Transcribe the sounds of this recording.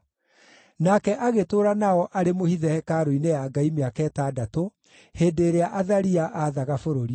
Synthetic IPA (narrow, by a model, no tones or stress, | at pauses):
nakɛʔaɣetoːɾanaɔʔaɾemohiðɛhɛkaɾoinejaːɡaimeakɛtadato | heːdeɾeaʔaðaɾiaʔaːðaɣafoɾoɾi